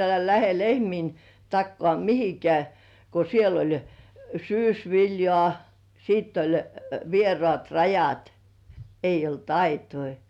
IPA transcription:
elæ læhe lehmiːn tɑkːŏɑˑ mihikĕæˑ ko siel olʲ syːsʋiljŏɑˑ siˑtː olʲ ʋierŏɑˑt rɑjɑt eij olt ɑitoi

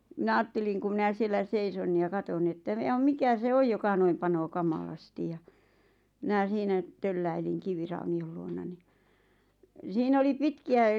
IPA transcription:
mĭnæ ɑːtːeliŋ ku mĭnæ sielːæ seison jɑ kɑton ni etːæ jɑm̆ mikæ se oj jokɑ noim pɑnoː kɑmɑlɑstij jɑ mĭnæˑ siːnæ tølːæiliŋ kiʋirɑuniol luonɑ ni siːn oli pitkiæ

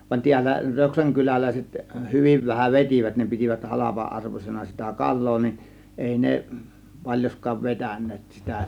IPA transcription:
ʋɑn tiælːæ røksæŋ kylælæˑiset hyʋiʋ ʋæhæʋ ʋetʲiʋæt ne pitiʋæt hɑlɑpɑʔɑrʋosenɑ sitæ kɑlˑoː nin eˑi ne pɑlʲjoskɑːʋ ʋetænˑeːt sitæ

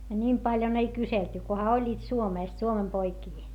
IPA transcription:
ɑ nʲim pɑljon ei kyselty kohɑ olʲːiːt suomeˑst suomem poikiː

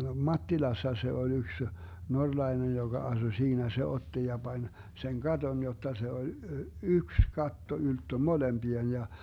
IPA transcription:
mɑtːilɑsːɑ se olʲ yks norlɑi̯nej joɡ̊ɑ ɑsu siːnæ se otːi jɑ b̥ɑnʲ seŋ ɡ̊ɑton jotːɑ se olʲ yks kɑtːo yltːø molemb̥ien jɑ

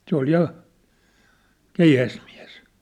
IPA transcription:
se ol jɑ keihæsmiæ̝s

